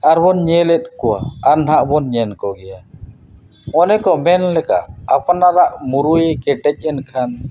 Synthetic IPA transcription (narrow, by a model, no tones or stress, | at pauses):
aɾbɔnɲɛlɛt̪̚ˀkɔwa̰aɾnɦaʔbɔnɲɛnkɔɡɛja | ɔnɛkɔmɛnlɛka̰ʔapnaɾaʔmuɾujɛkɛʈɛc̚ˀɛnkʰan